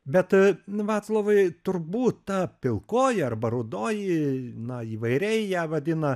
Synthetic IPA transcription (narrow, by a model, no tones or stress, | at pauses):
bʲɛt̪ʋɑːt̪slˠoːʋɐɪt̪ʊɾbuːt̪t̪ɑːpʲɪlˠkoːjɪɐrbɐɾʊd̪oːjɪnɐiːʋɐɪɾʲɛɪjæːʋɐd̪ʲɪnɐ